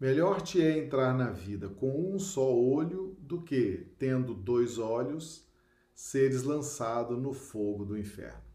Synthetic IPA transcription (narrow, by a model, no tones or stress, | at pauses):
meʎɔɾt͡ʃiɛẽnt̪ɾaɾnɐvid̪ɐkõw̃ũsɔoʎʊd̪ʊket̪ẽnd̪ʊd̪ojzɔʎʊsː | eɾɪzlɐ̃sad̪ʊnʊfoɡʊd̪ʊĩfɛ̰ɾnʊ